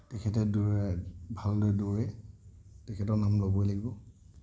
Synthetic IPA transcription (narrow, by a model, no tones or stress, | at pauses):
tɛkʰɛt̬ɛduɹɛbʱaldojduɹɛ | tɛkʰɛtɔnamlobɔjlaɡibɔ